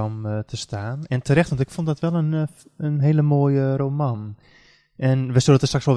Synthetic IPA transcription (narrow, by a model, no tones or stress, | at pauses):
ɔmtʰəstaːnɛntʰərɛxtʋɔntɪkfondɔtʋɛlˠən | ənɦeːləmoːjəroːman | ʔɛnʋɛsudətəstraksʋɔl